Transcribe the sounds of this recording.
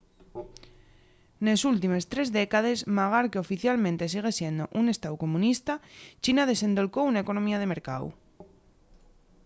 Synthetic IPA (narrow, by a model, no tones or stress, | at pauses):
ne̞sult̪ime̞st̪ɾe̞zðe̞kaðe̞zmaɣ̞aɾkeo̞fiθjalmẽnt̪e̞s̬iɣe̞sje̞nd̪o̞ʔune̞st̪awko̞mũnist̪at͡ʃinað̞e̞se̞nd̪o̞lko̞unaeko̞no̞miað̞e̞me̞ɾka̰w̰